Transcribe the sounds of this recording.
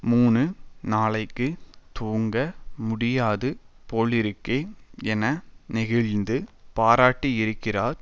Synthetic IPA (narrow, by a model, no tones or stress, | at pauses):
muːnɯnaːlɐɪkːɯt̪uːŋɡɐmʊɽɪjaːðɯ | poːɭɪɾɯkːeːɛnɐnɪɣɐɻnd̪ɯpaːɾaːʈːiɪɾɯkːɪraːɾ